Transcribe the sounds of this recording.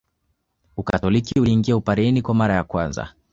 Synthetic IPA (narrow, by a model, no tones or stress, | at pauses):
ukatɔlikiuiŋɡiaupaɾɛnikwamaɾajakwanza̰